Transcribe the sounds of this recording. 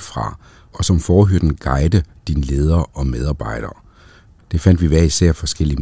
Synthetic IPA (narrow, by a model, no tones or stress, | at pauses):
fʁɑ̰̈ | ɒ̽sɒ̽mfɒːɦøɐd̥n̩ɡ̥ɑ̈ɪd̥əd̥inəle̝ːð̞ˠɐːʔɒ̽með̞ˠɑ̈ːb̥ɑ̈ɪ̰ɾ̥ɐː | d̥e̝fæn̰d̥ʋiʋæɐisæɐ̰fɒ̽sɡ̥el̰i